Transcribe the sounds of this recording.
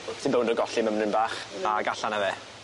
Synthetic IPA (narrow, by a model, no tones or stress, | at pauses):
sinbɛwndɔɡɔɬiməmnɨnbaːχaɡaɬanavɛː